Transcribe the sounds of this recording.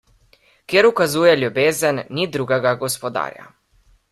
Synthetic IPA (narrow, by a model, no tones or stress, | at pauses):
kjeːɾukazuːjɛlʲjubeːzənːid̪ɾuːɡɛɡaɡɔspɔd̪a̰ːɾja̰